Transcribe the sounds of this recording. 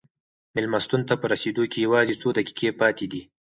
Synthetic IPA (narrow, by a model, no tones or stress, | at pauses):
mɪlmast̪unt̪apəɾased̪okejawɑzet͡sod̪əki̥kʰepɑt̪ed̪i